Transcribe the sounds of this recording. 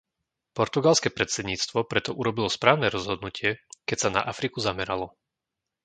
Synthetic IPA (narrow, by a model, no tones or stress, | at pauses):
pɔɾt̪uɡalskɛːpɾɛt̪sɛd̪ɲiːt͡st̪ʋɔpɾɛt̪ɔʔuɾɔbilɔspɾaːʊnɛɾɔzɦɔd̪nucɪɛkɛcsana̰ʔafɾikuzamɛɾalɔ